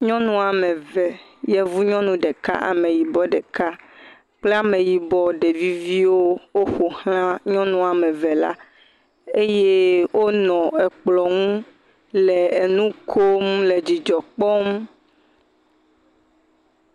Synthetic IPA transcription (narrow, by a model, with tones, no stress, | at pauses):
ɲɔ̃˦nũ˦a˨mẽ˨vɛ˨jɛ˦vu˦ɲɔ̃˦nũ˦ɖe˨ka̰˦ʔa̰˨mẽ˨ji˨bɔ˦ɖe˨ka˦ | k͡ple˦a˨mẽ˨ji˨bɔ˦ɖe˨vi˦vi˦wo˦wo˦xo˨hã˦ɲɔ̃˦nũ˦a˨mẽ˨ve˨la̰˦ | e˦je˦wo˦nɔ̃˨ɛ˨k͡plɔ˨ŋũ˦ | le˨e˨nũ˦kʰo˦mle˨d͡ʑi˨d͡ʒɔ˨k͡pɔ˦m